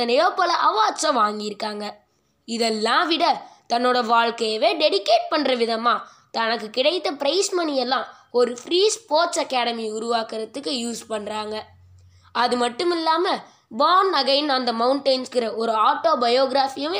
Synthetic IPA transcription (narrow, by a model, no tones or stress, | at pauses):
ɐnɪjoːpːɐlɐʔɐʋaːt͡ʃːɐ̃ʋaːŋɡɪjɪɾɯkːaːŋɡɐ | ɪðɛlːãːʋɪɽɐt̪ɐnːoːɽɐʋaːɻkɐjɐʋeːɖɛɽɪkːeːʈ̚pɐɳːɾɐʋɪðɐmaː | t̪ɐnɐkːɯkɪɽɐɪt̪ːɐpɪɾɐɪsmɐnɪjɛlːãː | ɔɾɯfɾiːspoːɾʈsɐkːaːɽɐmiʊɾʊʋaːkɪɾɐt̪ːɯkːɯjuːspɐɳːɾaːŋɡɐ | ɐðɯmɐʈːɯmɪlːaːmɐ | baːnɐɣɐjnɐnd̪ɐmɐʊɳʈɐɪnskɪɾɐɔɾɯaːʈːoːbɐjoːɡɪɾaːfijɐ